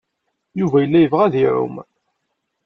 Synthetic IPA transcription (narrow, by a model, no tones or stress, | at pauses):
juvæjəlːæjəvʁæðiʕʊ̰m